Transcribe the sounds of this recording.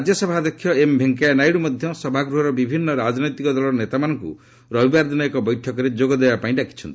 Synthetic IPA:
ad͡ʒjɔsɔbʱad̪ɔkʰːjɔembʱeŋkanajɽumɔd̪ʱjɔsɔbʱaɡɾuɦɔɾɔbibʱinːɔɾad͡ʒnɔjt̪ikɔd̪ɔlɔnet̪amanɔŋkṵ | ɾɔbibaɾd̪inɔekɔbɔjʈʰɔkɔɾed͡ʒoɡɔd̪ebapaĩɖakʰi̥t͡ʃʰɔnt̪i

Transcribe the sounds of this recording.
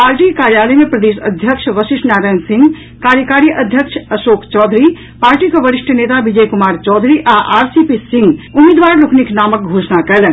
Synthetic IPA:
aːɾʈikaːɾjaːləjmẽpɾɐd̪eːʃɐ̰d̪ʱjəkʃʋəʃɪʃʈnaːɾaːjnsɪ̃ŋɡ | kaːɾjəkaːɾijəʔɐd̪ʱjəkʃɐʃoːkʰt͡ʃɔːd̪ʱɾi | paːɾʈikoʋɐɾɪʃʈʰəneːt̪aʋid͡ʒəjkʊmaːɾt͡ʃɔːd̪ʱɾiʔaʔaːɾsipisɪ̃ŋɡʊmeːd̪ʋaːɾlukʰniknaːmək̚ɡʱoːʃnakɐlən

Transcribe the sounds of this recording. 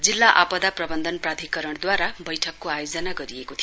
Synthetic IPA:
d͡zilːaʔapʌd̪aprʌbʌnd̪ʱʌnprat̪ikʌɾʌɽd̪waɾabʌjʈʰʌkːoajod͡zʌnaɡʌɾiekot̪ʰi

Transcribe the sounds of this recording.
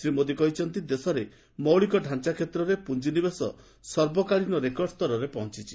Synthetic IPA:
sɾimod̪ikɔɦit͡ʃʰɔnt̪id̪esɔɾe | mɔwɭikɔɖʱant͡ʃakʰet̪ɾɔɾepund͡ʒinibesɔ̰ | sɔɾbɔkaɭinɔɾekɔɾɖst̪ɔɾɔɾepɔɦɔ̃nt͡ʃit͡ʃʰi̥

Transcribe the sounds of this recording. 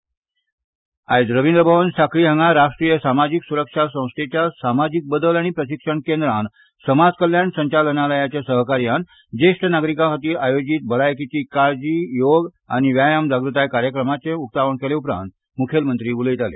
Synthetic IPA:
aed͡zɾəʋind̪ɾəbʱəʋənsakɾiːɦəŋɡaɾaʂʈɾiːjəsamad͡ʑiksuɾəkʂasə̃w̃sʈ̪ʰet͡ɕjasamad͡ʑik̚bəd̪əlaɽ̃ipɾəɕikʂəɳkend̪ɾan | səmad͡zkəljansəɲt͡ɕalənaləjat͡ɕjasəɦəkaɾjan | d͡ʑeʂʈənaɡɾikakət̪iːɾajod͡ʑit̪̚bəɭajkit͡ɕiːkaɾd͡ʑiːjoɡ | a̰ɽ̃iʋjajamd͡zaɡɾut̪ajkaɾjəkɾəmat͡seukt̪aʋəɳkeleupɾã̰nt̪̚ | mukʰelmənt̪ɾiːulit̪alḛ

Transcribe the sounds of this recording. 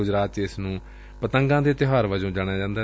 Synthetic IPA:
ʊd͡ʒɾaːt̪t͡ʃɪsnũː | pət̪əŋɡãːd̪eːt̪ɪɦaːɾʋəd͡ʒõːd͡ʒaːɽ̃jaːd͡ʒãːnd̪aː

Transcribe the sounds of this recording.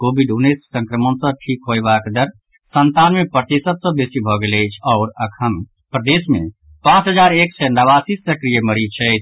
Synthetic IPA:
kobiɖunːet̪sə̃ŋkɾəmənsə̃ʈʰikɦojbakd̪əɾ | sənt̪anmepɾət̪isət̪sə̃besibʱɔɡelɛɪt͡ʃʰɔʊɾəkʰən | pɾəd̪esmḛ | pãt͡ʃɦəd͡ʒaɾeksɛnəβasisəkɾijəməɾit͡ʃʰɛɪt͡ʃʰ

